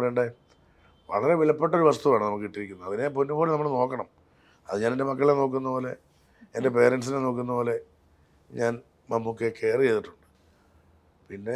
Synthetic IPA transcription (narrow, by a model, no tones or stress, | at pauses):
ɐejuɳɖe | ʋɐ̰ɭɐɾe̞ʋiɭɐpːe̞ʈːɐo̞ɾuʋɐst̪uʋaːɳɨnɐmukːɨkiʈːiɾikʲːunːɐɐðine̞ponːufoːɽinɐmːɐɭno̞ːkːɐɳɐm | ɐ̰ðɨɲaːnendemɐkːɐɭleno̞ːk̬ːunːɐpo̞ːle̞ | ende̞pe̞ːɾeɳɖsineno̞ːk̬ːunːɐpo̞ːle̞ | ɲaːn | mɐmːukːekːeːrɨe̞jt̪ːiʈːu̥ɳɖɨ̥ | pinːe̞